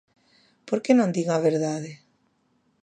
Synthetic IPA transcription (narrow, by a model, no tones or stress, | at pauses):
poɾkenõnd̪iɣaβeɾðaðe